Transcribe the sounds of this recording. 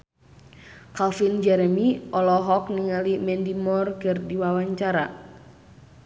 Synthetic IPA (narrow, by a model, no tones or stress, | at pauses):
kalfind͡ʒɛɾɛmiʔɔlɔɦɔk̚niŋalimɛndimɔrkɨrdiwawaɲt͡ʃaɾa